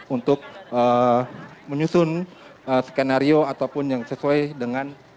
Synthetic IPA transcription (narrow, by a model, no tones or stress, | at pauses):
unt̪ʊk̚ə | məɲusʊnəskenaɾioat̪awpʊnjaŋsəsuajdəŋan